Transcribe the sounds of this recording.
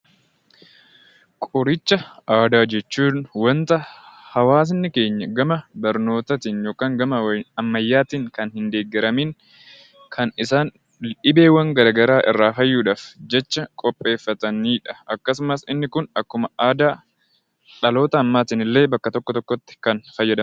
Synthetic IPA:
kʼʊɾɪt͡ʃːɐʔaːd̪aːd͡ʒɛt͡ʃːuːnwɐnt̪ɐhɐwaːs̬nːɪke̞ːɲːɐɡɐmɐbɐɾno̞ːt̪ɐt̪iːnjo̞ːkaːŋɡɐmɐɐmːɐjːaːt̪iːŋkɐnhɪnd̪e̞ːɡːɪɾɐmiːŋ | kʰɐnɪsaːn | ᶑɪbe̞ːwɐŋɡɐɾɐɡɐɾaːʔɪ̰rːaːfɐjːuːᶑaːfd͡ʒɛt͡ʃːɐkʼɔpʼːe̞ːfːɐt̪ɐniːᶑɐ̥ɐkːɐsʊmɐsɪnːɪkʊnɐkːʊmɐaːd̪aː | ᶑɐlo̞ːt̪ɐːmːaːt̪iːnɪlːe̞ːbɐkːɐt̪ɔkːɔt̪ɔkːɔt̪ːɪ̥kɐnfɐjːɐd̪ɐ

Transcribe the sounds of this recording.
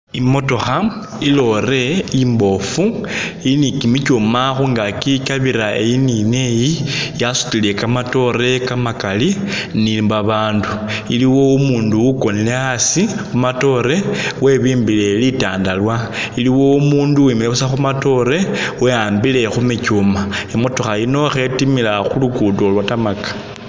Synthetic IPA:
imo̞to̞xam | ilo̞re̞imbo̞fuinikimicomaxuŋɡakikaβiɾae̞̰jinine̞jijasu̥tile̞kamato̞ɾe̞kamakalinibaβaːnduiliwo̞umuːnduuko̞nile̞asikumato̞ɾe̞we̞βiːmbile̞lita̰ːndalwailiwo̞umuːnduwimileβusaxumato̞ɾe̞wejaːmbile̞xumicumaemotoxajino̞xe̞timilaxulukuːdolwatamakḁ

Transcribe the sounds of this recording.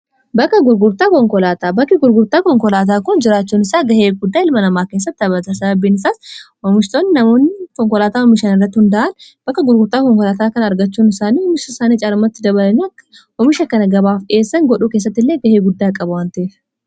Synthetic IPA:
bɐkːɐɡʊɾɡʊɾt̪aːkɔŋkɔlaːt̪aːbɐkːɪɡʊɾɡʊɾt̪aːkɔŋkɔlaːt̪̬aːkʊnd͡ʒɪɾaːt͡ʃːuːnɪsaːɡɐheːɡʊd̪ːaːɪlmɐnɐmaːkeːs̬ːɐt̪ːɪɐbɐt̪ɐsɐbɐbiːnɪsaːshɔmɪʃt̪oːnːɪnɐmo̞ːnːɪkɔŋkɔlaːt̪aːɔmɪʃanɪrːɐt̪ːɪhʊnd̪ɐʔɐnb̥ɐkːɐɡʊɾɡʊɾt̪aːkɔŋkɔlaːt̪aːkɐnɐɾɡɐt͡ʃːuːnɪsaːniːhɔmɪʃɐɪsaːnit͡ʃʼaːɾɐmɐt̪ːɪd̪ɐβɐlɐniɐkː | hɔmɪʃɐkːɐnɐɡɐbaːfᶑe̞ːsːɐŋɡɔɗuːkeːs̬ːɐt̪ːɪlːeːɡɐheːɡʊd̪ːaːkʼɐbʊwaːnt̪ɐʔe

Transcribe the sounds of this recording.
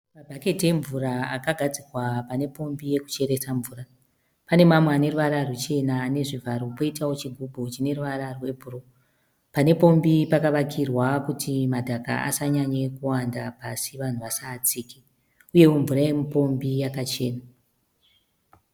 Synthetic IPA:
mabʱake̞tie̞ɱvuɾaakaɡʱad͡zikwapane̞po̞mbije̞ku̥t͡ʃe̞ɾe̞saɱvuːra | pane̞mamweane̞ruʋaɾarut͡ʃe̞nane̞ʐivʱaɾopo̞itawo̞t͡ʃiɡʱubʱot͡ʃine̞ruʋaɾarwe̞bʱuro | pane̞po̞mbipakaʋakʰirwakutʰimadʱaka̰a̰saɲaɲe̞kuwandapasiʋan̤uʋasaːt͡siːke | uje̞oɱvuɾaemupo̞mbijakat͡ʃe̞̰ːna

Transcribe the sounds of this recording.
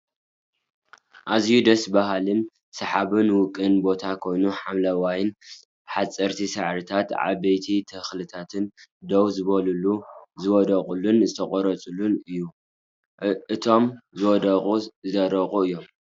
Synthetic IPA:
ʔazjud̪ɐsbaɦalɨn | sɐħaβɨnwʊkʼːɨnbo̞t̪ʰakʰo̞jnuħamlɐwajɪn | ħat͡sʼɐɾt̪ʰisɐʕɾɨt̪ʰat̪ʕa̰βɐjt̪ʰit̪ʰɐxlɨt̪ʰat̪ʰɨnd̪ɐwzɨβɐluluzɨwɔd̪ɐχʼulunzɨt̪ʰɐχʼɔɾɐt͡sʼulunɨjːu | ɨt̪ʰo̞mzɨwɔd̪ɐχʼuɨzɐɾɐχʼuɨjːo̞m

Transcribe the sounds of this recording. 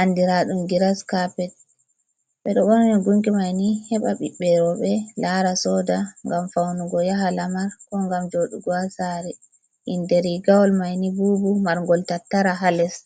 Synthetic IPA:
ʔandiɾaɗumɡiɾaskapɛt̚ | ɓɛɗɔɓɔnanɛɡuŋkimajnihɛɓaɓiɓɛɾɔɓɛlaɾasɔdaŋɡamfawnuɡɔjaɦalamaɾkɔŋɡamd͡ʒoɗuɡwasaɾi | ʔindɛɾiɡawɔlmajnibubumaɾŋɡɔltatːaɾaɦalɛs

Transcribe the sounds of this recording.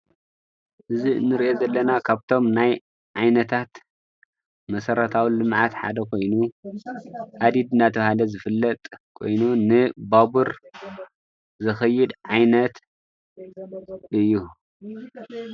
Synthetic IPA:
ʔɨzinːɨɾiʔo̞zɐlːɐnakʰaβt̪ʰo̞mnaj | ʕajnɐt̪ʰat̪ | mɐsɐɾɐt̪ʰawilɨmʕat̪ħa̰d̪ɐkʰo̞jnu | ʔad̪id̪ɨnat̪ʰɐβhalɐzɨfɨlːɐt̪ʼkʰo̞̰jnunɨbabuɾ | zɐxɐjːɪd̪ʕajnɐt̪ | ʔɨjːu

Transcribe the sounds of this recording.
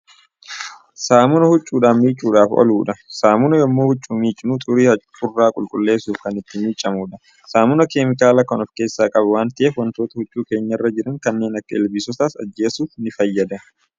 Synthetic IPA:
saːmʊnɐhʊt͡ʃʼːuːᶑaːfmiːt͡ʃʼːuːᶑaːfɔ̰luːᶑɐsaːmʊnɐjɔmːoːhʊt͡ʃʼːuːmiːt͡ʃʼːɪnut̪ʼʊɾiːɐ | ʊrːaːkʼʊlkʼʊlːe̞ːsuːfkɐnɪt̪ːɪmiːt͡ʃʼːɐmuːᶑɐ | saːmʊnɐkeːmɪkaːlɐkɔnɔfke̞ːsːaːkʼɐbɐwaːnt̪ɪʔeːfwɐnt̪o̞ːt̪ɐhʊt͡ʃʼːuːke̞ːɲːɐrːɐd͡ʒɪɾɐŋkɐnːe̞ːnɐkːɐɪlbisɔt̪aːsɐ̰d͡ʒːe̞ːsuːfnɪfɐjːɐd̪ɐ

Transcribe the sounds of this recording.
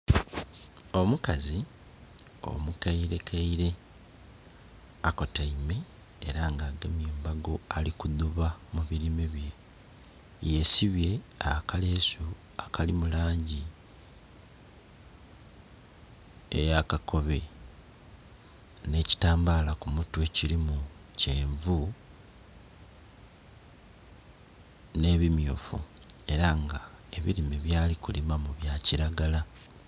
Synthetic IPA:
o̞mukazi | o̞̰mukaiɾe̞kʰaiɾe̞ | ako̞taime̞ː | ɾaːŋɡaːɡemjeːmbaɡo̞alikuduβamuβiɾimeβje̞ | je̞siβje̞akale̞ːso | akalimulaːɲɟi | ḛjakako̞βe̞ | ne̞ci̥taːmbaːlakumutwe̞cilimuceːɱvu | ne̞ːβimjuːfṵ | e̞ɾaŋɡa | e̞βḭɾimiβjaːlikulimamuβjaːciɾaɡala

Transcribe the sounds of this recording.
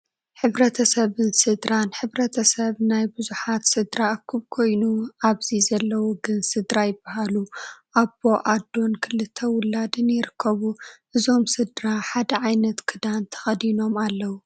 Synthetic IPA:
ħɨβɾɐt̪ʰɐsɐβɨnsɨd̪ɾanħɨβɾɐt̪ʰɐsɐβnajbɨzuħat̪sɨd̪ɾaɐkʰːɨβkʰo̞jnuʔaβzizɐlːɐwoɡɨnsɨd̪ɾajɪbːaɦaluʔabo̞ʔad̪o̞nkʰɨlɨt̪ʰːɐwʊlːad̪ɨnjɪɾɨkʰːɐβuʔɨzo̞msɨd̪ɾaħad̪ɐʕajnɐt̪kʰɨd̪ant̪ʰɐ̥xɐd̪ino̞malːɐwu

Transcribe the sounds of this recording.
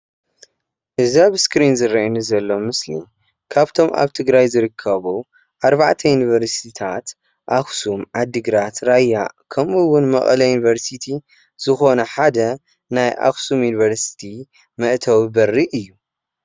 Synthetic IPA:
ʔɨziaβɨskɾinzɨrɐʔɐnɨzɐlːo̞mɨslḭ | kʰaβt̪ʰo̞mʔa̰βt̪ʰɨɡɾajzɨɾɨkʰːɐβu | ʔaɾβaʕt̪ʰɐjunivɐɾst̪ʰit̪ʰat̪ | ʔaxsumʕad̪ːɨɡɾat̪ɾajːakʰɐmuwʊnmɐ̰χʼɐlɐjunivɐɾsit̪ʰi | z̥ɨxo̞nɐħad̪ɐ | najʔa̰xsumjuniβɐɾsi̥t̪ʰi | mɐʔt̪ʰɐwbɐrːiʔɨjːu

